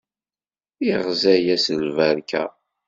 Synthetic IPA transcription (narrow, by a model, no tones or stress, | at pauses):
iʁzæjæsəlvæɾkʰæ̰